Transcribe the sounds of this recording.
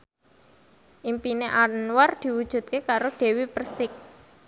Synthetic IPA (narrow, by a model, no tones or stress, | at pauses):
ʔimpineʔaɾnward̪̥i̤wud̥ʒ̥ṳt̪̚kekaɾoɖ̥e̤wipərsɪk̚